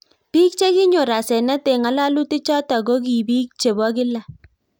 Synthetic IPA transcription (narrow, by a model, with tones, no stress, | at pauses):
pi˦k̚t͡ʃe˦kɪ˦ɲo˨ɾa˨sɛ˨nɛ˦te˨ŋa˦la˦lu˦ti˦t͡ʃa˦ta˨ɡo˦ki˨bi˦k̚t͡ʃe˨bwa˦kɪ˦la˨